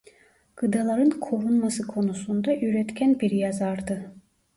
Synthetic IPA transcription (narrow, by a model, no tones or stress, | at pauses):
ɡ̥ɯd̪alˠaɾɯnkʰoɾunmasɯkʰo̞nusund̪aʔyɾɛt̪cʰʲænbiɾjazaɾd̪ɯ